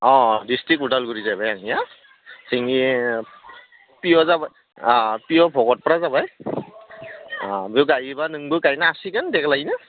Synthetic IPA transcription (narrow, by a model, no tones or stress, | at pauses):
ɔ̃distɹikudalɡuɹizajbajaŋija | siŋi | pijɔzabaj | pijɔbʱɔɡɔt̚pɔɹazabaj | biuɡaɹibanɯŋbukaɹinaasikandɛkʰlaɡina